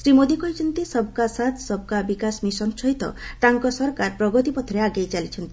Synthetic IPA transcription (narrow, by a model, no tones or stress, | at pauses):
sɾimod̪ikɔɦit͡ʃʰɔnt̪isɔb̚kasat̪ʰsɔb̚kabikasmisɔnsɔɦit̪ɔ̰ʈaŋkɔsɔɾɔkaɾpɾɔɡɔt̪ipɔt̪ʰɔɾeaɡejt͡ʃalit͡ʃʰɔnt̪i̥